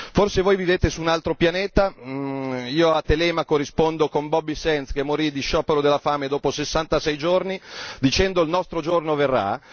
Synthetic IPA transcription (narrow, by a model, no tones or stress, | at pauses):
forsevoːjviveːt̪esuːnalt̪ɾopjaneːt̪a | iːoat̪ːelɛmakoɾispond̪okombɔbːisɛnt̪skemːoɾid̪iʃɔːpeɾod̪elːafaːmed̪oːposesːant̪asɛjd͡ʒornid̪it͡ʃɛnd̪oilnɔst̪ɾod͡ʒornoverːa̰